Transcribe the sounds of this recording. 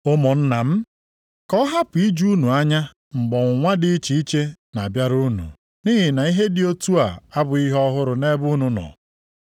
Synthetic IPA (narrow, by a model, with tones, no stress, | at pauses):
o˦mɔ˨n̩˦na˨m̩˦ | kɔ˦ɦa˦pʊ˨i˦d͡ʒu˦nu˨a˦ɲa˦ | ŋ͡m̩˨ɡ͡bɔ˨ŋ̩ʷ˨ŋʷa˦dɪ˦t͡ʃi˨i˦t͡ʃe˦na˨bja˦ɾu˦nṵ˨ | ni˦ɦɪ˨na˨i˦ɦe˦dɪ˦o˦tu˦a˨a˦bʊ˨i˦ɦɔ˦ɦʊ˦ɾʊ˨ne˦bu˦nu˨nɔ̰˨